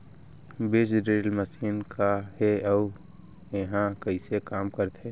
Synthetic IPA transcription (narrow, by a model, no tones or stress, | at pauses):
beːsɖɾeːlməsiːnkʰaɦeɐ | eɦãkɐisekaːmkəɾt̪ɦe